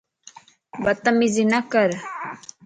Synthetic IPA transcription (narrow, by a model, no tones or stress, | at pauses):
bɐt̪amizinakəɾ